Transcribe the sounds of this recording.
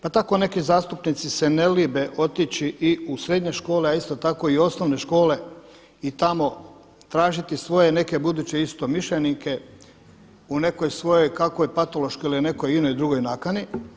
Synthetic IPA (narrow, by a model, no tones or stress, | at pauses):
pat̪ako̞ne̞kizaːst̪upnit̪sisene̞libe̞ʔo̞t̪it͡ɕiʔiusɾe̞d̪ɲe̞ʃko̞ːle̞aist̪o̞t̪ako̞io̞snoʋne̞ʃko̞ːle̞ | it̪amo̞ | t̪ɾaːʒit̪isʋo̞jene̞ke̞bud̪uːt͡ɕe̞ist̪o̞miʃʎenike̞ | une̞ko̞jsʋo̞jo̞jkakojpat̪o̞lo̞ʃkoiliune̞ko̞jino̞jd̪ɾuɡo̞jnakani